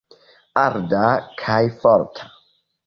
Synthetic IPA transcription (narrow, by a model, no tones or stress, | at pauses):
aɾdakʰajfɔɾtʰḁ